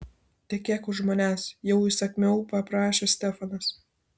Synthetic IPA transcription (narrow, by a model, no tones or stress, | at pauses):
t̪ʲɛkʲɛːkʊʒmoːnʲæːsjɛʊɪsɐkʲmʲɛʊpɐpɾɑːʃʲeːsʲt̪ʲɛfɐnɐs